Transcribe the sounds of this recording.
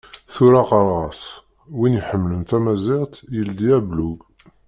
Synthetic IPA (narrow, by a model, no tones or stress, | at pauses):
θuɾaqɑɾˤʁɑs | winiħəmːlənt̪æmæziʁt̪jəld̪iæbluɡ